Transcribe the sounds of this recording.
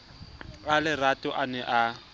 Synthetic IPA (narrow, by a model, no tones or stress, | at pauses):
alɪratʼʊʔanɛʔa